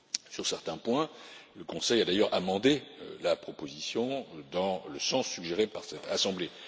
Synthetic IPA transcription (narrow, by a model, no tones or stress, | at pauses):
syʁsɛʁt̪ɛ̃pwɛ̃ləkɔ̃sɛjad̪ajœʁʔamɑ̃d̪elapχɔpozisjɔ̃d̪ɑ̃ləsɑ̃sːyɡʒeʁepaʁsɛt̪ʰasɑ̃ble